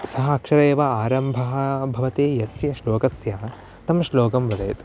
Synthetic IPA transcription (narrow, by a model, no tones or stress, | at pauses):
sɐɦɐɐkʃɐɾeːʋɐaːɾɐmbʱɐɦɐbʱɐʋɐt̪eːjɐsjɐʃloːkɐsjaː | t̪ɐmʃloːkɐmʋɐd̪ɐjɐt̪